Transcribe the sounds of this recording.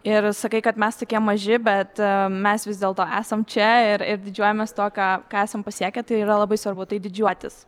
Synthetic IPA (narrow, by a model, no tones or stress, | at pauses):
ɪɾsɐkɐɪkɐt̪mʲɛst̪okʲiɛmːɐʒʲɪbʲɛt̪mʲɛsʋʲɪzd̪ʲeːlˠt̪oːæːsɐmt͡ʃʲɛɪɾɪɾd̪ʲɪd͡ʒʲuɔjɛmʲɛst̪oːkɑːkɑːæːsɐmpɐsʲiɛkʲɛt̪ɐɪiːɾɐlˠɐbɐɪsʋɐrbʊt̪ɐɪd̪ʲɪd͡ʒʲuɔt̪ʲɪs